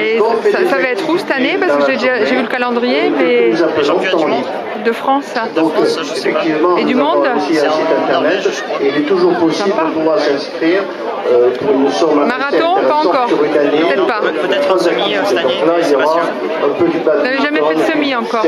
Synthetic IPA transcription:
eɔ̃fɛdsavaɛt̪χusɛt̪anepaʁskkəʒed̪eʒaʒevyləkalɑ̃d̪ʁijemɛyzɛ̃pølɔ̃st̪ɑ̃ | d̪əfχɑ̃sd̪ɔ̃k | efɛk̚t̪ivmɑ̃ed̪ymɔ̃d̪̃siãsit̪ɛ̃t̪ɛʁnɛt̪ | eilɛt̪uʒuʁpɔsibɔ̃puvwaʁsɛ̃skχiːʁ | øpuʁnusɔ̃mãmaʁaɛ̃ɔ̃t̪eʁepɑ̃sɑ̃kɔsyʁynanet̪ɛt̪paɛt̪χazak̚t̪iit̪ed̪ɔ̃klailjɔʁa | ɛ̃pød̪ybalnavɛʒamɛ̃səmiɑ̃kɔʁ

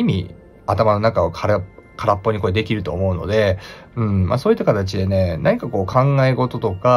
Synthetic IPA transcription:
imʲḭ | at̪amano̞nakaokʰaɾkʰaɾapːo̞ɲ̟iko̞ed̪e̞kʲiɾɯ̟t̪o̞̰ːmo̞ɯ̟no̞̰d̪e̞ | ɯ̟̃ɴma̰so̞ːit̪ːakat̪at͡ɕid̪e̞ne̞nʔaɲ̟ikako̞ːkʰãŋɡaeɡo̞t̪o̞t̪o̞ka

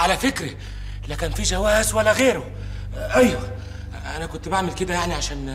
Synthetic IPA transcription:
ʕalæfɪkɾɪ | lːikæːnfiʒæwæːzwælːæɣeːɾʊ | ʔæjːæ | ʔænækʊnt̪baʕmɪlked̪æjaʕniʕaʃæːn

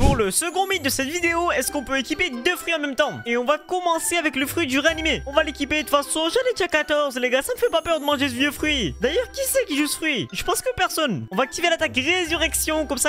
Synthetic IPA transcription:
puʁləsəɡɔ̃mit̪̚d̪əsɛt̪vid̪eoɛskɔ̃pøekʲiped̪øfχɥiɑ̃mɛmt̪ɑ̃eɔ̃vakɔmɑ̃seavɛkləfχɥid̪yʁeanimeɔ̃valekʲipet̪fasɔ̃ʒanɛt̪akat̪ɔʁzleɡasaməfɛpapœʁd̪əmɑ̃ʒesəvjøfχɥid̪ajœʁkʲisɛkʲiʒusəfχɥiʒəpɑ̃skəpɛʁsɔnɔ̃vaːk̚t̪ivelat̪akʁezyʁɛksjɔ̃kɔmsa

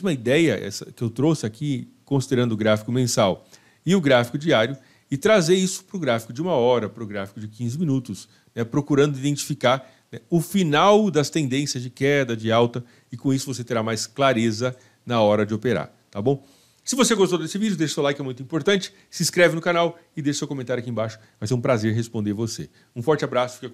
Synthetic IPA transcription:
zmɐid̪ɛjɐ̰ʔɛ̰sɐ̰kɪewt̪ɾosɪakikõsid̪eɾɐ̃nd̪ʊɡɾafi̥kʊmẽsaw | ɪʊɡɾafi̥kʊd͡ʒiaɾjʊ | ɪt̪ɾazejisʊ̥pɾʊɡɾafi̥kʊd͡ʒɪũmɐɔɾɐpɾʊɡɾafi̥kʊd͡ʒɪkĩzɪmĩnut̪ʊs | nɛpɾokuɾɐ̃nd̪ʊid̪ẽnt͡ʃi̥fikaɾ | nɛʊfinawd̪ɐst̪ẽnd̪ẽsjɐzd͡ʒɪkɛd̪ɐd͡ʒɪawt̪ɐ | ɪkõisʊvos̬et̪eɾamajsklaɾezɐ | nɐɔɾɐd͡ʒɪopeɾa̰ɾ | t̪abõw̃ | sɪvoseɡost̪owd̪esɪvid͡ʒʊd̪eʃɐsewlajkɪɛmũj̃t̪ʊĩpoɾt̪ɐ̃nt͡ʃɪ̥ | sɪ̃skɾɛvɪnʊkanaw | ɪd̪eʃɐsewkõmẽt̪aɾʊakiẽbaʃʊ̥vajseũpɾazeɾɦespõnd̪eɾvose | ũfɔɾt͡ʃɪabɾasʊfikɐ

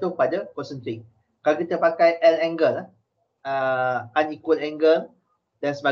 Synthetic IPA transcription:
t̪upadəkɔsə̃nt̪iŋ | kalokit̪əpakajʔɛlɛ̃ŋɡəlah | əãnikwəlɛ̃ŋɡəl | dɛ̃nsba

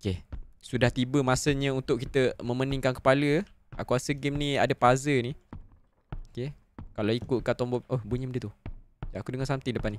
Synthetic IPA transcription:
okesudaht̪ibəmasəɲə̃unt̪ʊʔkit̪əmə̃məniŋkankə̥paləa̰kuasəɡimnĩadəpazəni | oke | kalawikʊt̪̚kat̪ɔmbɔʔohbuɲə̃mədət̪ud͡ʒaakudəŋasamt̪idəpani

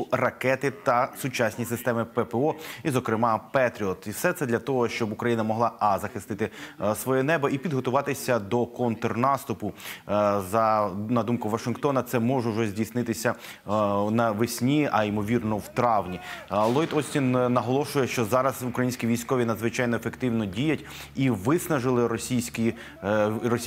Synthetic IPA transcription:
rɐkɛt̪ɪt̪ɐsʊt͡ʃasʲnʲisɪst̪ɛmɪpɛpɛɔizɔkɾɪmɑpɛt̪ɾʲiɔt̪ifsɛt̪sɛd̪lʲɐt̪ɔɦɔʃt͡ʃɔbʊkɾɐjinɐmɔɦlˠɑɑzɐxɪst̪ɪt̪ɪsʋɔjɛnɛbɔipʲid̪ɦɔt̪ʊʋɑt̪ɪsʲɐd̪ɔkɔnt̪ɔrnɑst̪ʊpʊ | zɐnɐd̪umkʊʋɐʃɪnkt̪ɔnɐt̪sɛmɔʒɛuʒɛzʲdʲijsnɪt̪ɪsʲɐ | nɐʋɪsʲnʲiɐimɔʋʲirnɔwt̪ɾɑwnʲilˠɔjd̪ɔsʲtʲinnːɐɦɔlˠɔʃʊjɛʃt͡ʃɔzɑɾɐzʊkɾɐjinʲsʲkʲiʋʲijsʲkɔʋʲinɐd̪zʋɪt͡ʃɑjnɔefekt̪ɪwnɔdʲijɐtʲ | iʋɪsnɐʒɪlˠɪɾɔsʲijsʲkʲi | rɔ

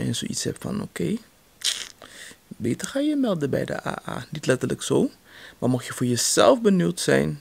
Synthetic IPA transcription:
ənso̰ʔitshɛ̰pfɑ̰no̰kej | beːtərχaːjəmɛlˠdəbɛ̰jdə̰ʔa̰ːʔa̰ːnitlɛtərləksoː | maːmɔχjəvʊːɹjəz̥ɛ̰lˠfbənywtsɛ̰jn

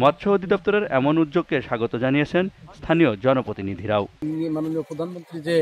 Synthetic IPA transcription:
mɔt̪ːʃʰood̪ʱid̪ɔp̚t̪oɾeɾɛmonud̪d͡ʑoɡ̚keʃaɡot̪od͡ʑanijet͡ɕʰenst̪ʰaniod͡ʑɔnopɾot̪inid̪ʱiɾaonimanoniopɾod̪ʱanmont̪ɾid͡ʑe

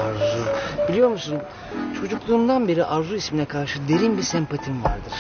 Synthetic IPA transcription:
aɾzubilʲijo̞ɾmusun | t͡ʃʰo̞d͡ʒuklˠuːmd̪anbe̞ɾiʔaɾzuisminɛkʰaɾʃɯd̪e̞ɾinbisɛmpʰat̪ʰimva̰ɾd̪ɯɾ̥

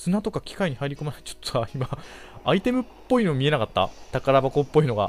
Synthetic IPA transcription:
sɨnat̪o̞kakʲi̥kaiɲ̟ihaiɾʲiko̞maɾat͡ɕo̥t̪ːoβaimaː | it̪e̞mɯ̟pːo̞ino̞ːmʲie̞nakat̪ːa̰t̪akaɾabako̞pːo̞ino̞ɡa̰

